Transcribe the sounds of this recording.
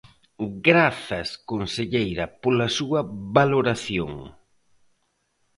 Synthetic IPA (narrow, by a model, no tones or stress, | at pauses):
ɡɾaθɐskonseʎejɾɐpolɐsuɐβaloɾaθjo̰ŋ